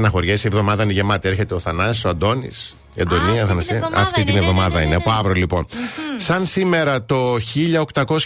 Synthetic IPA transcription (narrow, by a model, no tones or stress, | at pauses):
nɐxo̞ɾʝesievðo̞mɐðɐiniʝe̞mɐt̪ie̞ɾçe̞t̪eoθɐnɐsoɐnd̪o̞nḭs | end̪o̞niɐθɐnɐsiɐɐ̰ft̪it̪ine̞vðomɐðɐineɐpoɐvɾolipo̞nsɐnsime̞ɾɐt̪o̞çiʎɐo̞kt̪ɐko̞s